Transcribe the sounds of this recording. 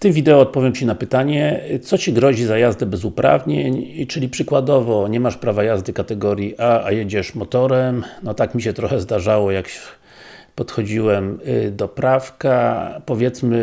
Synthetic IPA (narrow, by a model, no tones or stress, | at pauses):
ft̪ɘmvʲid̪ɛɔɔt̪̚pɔvʲjɛmt͡ɕinapɘt̪aɲɛt̪sɔt͡ɕiɡɾɔʑizajazd̪ɛbɛzupɾʔa̰vɲeɲt͡ʂɘlʲipʂɘkwad̪ɔvɔɲɛmaʂpɾavajazd̪ɘkat̪ɛɡɔɾʲjiʔa̰ːjed͡ʑɛʂmɔt̪ɔɾɛmnɔt̪akmʲiɕɛt̪ɾɔxɛzd̪aʐawɔjakɕ | pɔt̪xɔd͡ʑiwɛmd̪ɔpɾafkapɔvʲjɛt̪smɘ